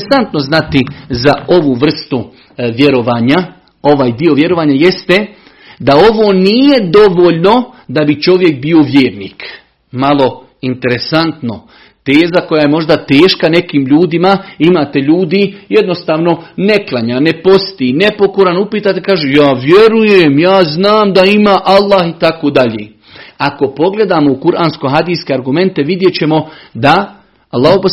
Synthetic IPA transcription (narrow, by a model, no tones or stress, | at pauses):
sant̪no̞znat̪izao̞ʋuʋr̩st̪u | ʋje̞ɾo̞ʋaːɲa | o̞ʋaːjd̪io̞ʋje̞ɾo̞ʋaːɲaje̞st̪e | d̪ao̞ʋoːnije̞d̪o̞ʋoːʎno̞d̪abit͡ʃo̞ʋje̞k̚bio̞ʋjeːɾniːk | malo̞ | int̪e̞ɾe̞sant̪no | t̪e̞ːzako̞jaje̞mo̞ʒd̪at̪e̞ːʃkane̞kiːmʎuːd̪imaimaːt̪e̞ʎuːd̪ijed̪no̞st̪aːʋno̞neklˠaɲaːnepo̞st̪inepo̞koɾanupiːt̪at̪ekaːʒejaːʋje̞ɾujemjaːznaːmd̪aimaːʔalˠːaːhit̪akod̪aʎeː | ako̞po̞ɡle̞d̪aːmoukuɾʔaːnskoɦad̪iːskeaɾɡume̞nt̪e̞ʋid̪je̞t͡ɕe̞mo̞d̪a | alˠːaːɦopo